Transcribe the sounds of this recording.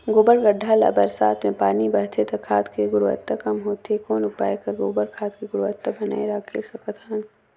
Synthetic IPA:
ɡʊːbəɾɡɐɖʱːaːlɐ̰bɐɾsa̰ːt̪ʰmẽpaːnibɐɦt̪ʰet̪ɐkʰaːt̪keɡʊɾʋə̰t̪ːakɐmɦoːt̪ekɔːnʊpa̰ːekɐɾɡoːbəɾkʰaːt̪keɡʊɾʋət̪ːabɐna̰ːeɾaːkʰesɐkɐt̪ʰaːn

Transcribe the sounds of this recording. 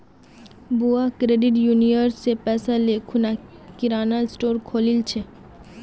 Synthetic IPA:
buakɾeɖiʈjunioɾsepɛsalekʰunakiɾanalsʈoɾkʰolilt͡ɕʰe

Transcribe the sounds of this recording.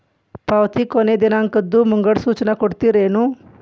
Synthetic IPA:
pawt̪ikoned̪inaːŋkɐd̪ːumuŋɡɐɽsuːt͡ʃɐnɐkoɽt̪iɾeːnu

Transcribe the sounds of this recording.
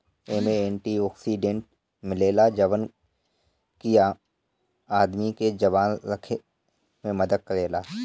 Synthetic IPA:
eːmeeːɳʈiɔːksiːɖẽɳʈ | mɪleːlad͡ʒɐʋən | kija | aːd̪miked͡ʒɐʋaːnɾɐkʰe | mẽmɐd̪əd̪̚kɐɾeːlaː

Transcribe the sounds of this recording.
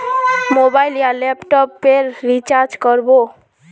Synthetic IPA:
mobajljalepʈɔpːeɾːit͡ʃaɾd͡ʒkɔɾbo

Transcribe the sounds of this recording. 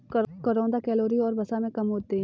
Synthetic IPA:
kɐkɐɾõːnd̪akɛːloːɾiɔːɾbɐsamẽkɐmɦoːt̪eɦɛ̃

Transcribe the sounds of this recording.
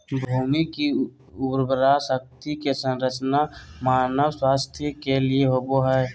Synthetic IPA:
bʱuːmiki | uɾbəɾasək̚t̪ikesə̃nɾət͡ʃnamaːnəwswaːst̪ʰjəkelieɦoboɦɛː

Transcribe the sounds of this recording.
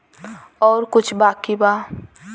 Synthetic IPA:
ɔːɾkʊt͡ʃʰbaːkiba

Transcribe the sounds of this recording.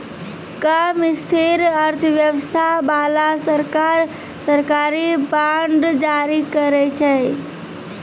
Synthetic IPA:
kamist̪ʰiɾəɾt̪ʰəʋjəʋəst̪ʰabaːlasəɾkaɾ | səɾkaːɾibaɳɖd͡ʒaɾikəɾet͡ʃʰɛ

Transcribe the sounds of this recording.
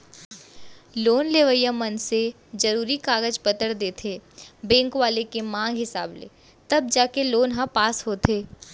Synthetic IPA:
loːnleːʋəjəmɐnse | d͡ʒɐɾuːɾikaːɡəd͡ʒpət̪əɽd̪eːt̪ʰeːbɛ̃ːŋkʋaːlekemãːŋɡɦɪsa̰ːblḛː | t̪ɐb̚d͡ʒaːkeloːnɦapaːsɦoːt̪ʰeː

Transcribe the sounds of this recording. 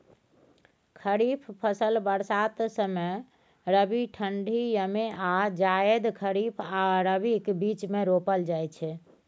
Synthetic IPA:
kʰəɾipʰpʰəsəlbəɾsat̪səme | ɾəbiʈʰəɳɖʱijəmead͡ʒajəd̪kʰəɾipʰaɾəbikbit͡ʃmeɾopəld͡ʒajt͡ʃʰɛ

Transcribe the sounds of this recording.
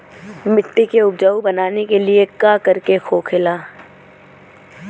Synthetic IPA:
mɪʈ̪ːikeʊbd͡ʒaːubɐnaːnekeliekaːkɐɾkexʰoːkʰɪlaː

